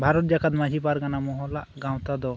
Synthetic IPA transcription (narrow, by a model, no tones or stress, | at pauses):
bʱaɾɔt̪̚d͡ʒakat̪mad͡ʒipaɾɡanamɔɦɔlaʔɡãw̃t̪ad̪ɔ